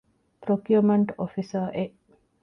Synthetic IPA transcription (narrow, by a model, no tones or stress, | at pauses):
pɾokjumeɳʈofisəʔe